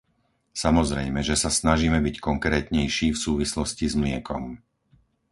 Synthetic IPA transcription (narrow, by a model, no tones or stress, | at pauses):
samɔzɾɛjmɛʒɛsasnaʒiːmɛbickɔŋkɾɛːt̪ɲɛjʃiːfsuːʋislɔscizmlɪɛkɔm